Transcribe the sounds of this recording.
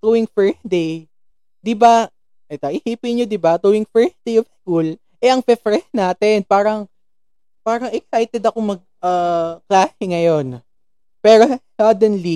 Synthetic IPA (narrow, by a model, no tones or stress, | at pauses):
t̪uwɪŋfɛɹsd̪ej | d̪ɪba | ʔɛt̪ɐʔɪhiːpɪɲod̪ɪbat̪uwɪŋfɛɹsd̪ejofɛɡʊl | ʔɛʔɐŋfɛfɾɛsnaːt̪ɛnpaːɾɐŋ | paːɾɐŋɛk̚sajt̪ɛd̪ɐkomɐɡ̚ʔaklaːsɪŋɐjo̞n | pɛːɾosɐd̪ɛnli